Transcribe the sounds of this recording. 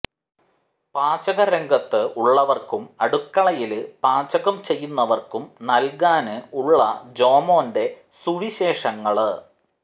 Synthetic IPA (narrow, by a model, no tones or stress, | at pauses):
paːt͡ɕɐɣɐɾeŋɡɐt̪ːɨʔuɭːɐʋɐrkumɐɽukːɐɭɐjilɨpaːt͡ɕɐɣɐmt͡ɕe̞jːunːɐʋɐrkumnɐlkaːnɨuɭːɐ̰d͡ʑo̞ːmo̞ːnde̞ | suʋiɕe̞ːʂɐŋːɐɭ